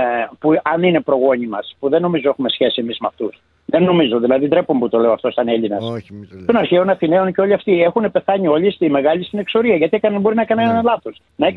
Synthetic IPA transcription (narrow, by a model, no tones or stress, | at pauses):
puɐnine̞pɾo̞ɣo̞ɲimɐspuðe̞no̞mizo̞e̞xume̞sçe̞sie̞mizmeɐft̪us | ðe̞nːo̞mizo̞ðilɐðind̪ɾe̞pumput̪o̞leoɐft̪o̞sɐneʎinɐst̪onɐɾçeonɐθine̞onceo̞liɐft̪ie̞xune̞pe̞θɐɲio̞ʎʲist̪ime̞ɣɐlist̪ine̞kso̞ɾiɐʝɐt̪iekɐnɐbo̞ɾinɐkɐnnɐnlɐθos | nɐe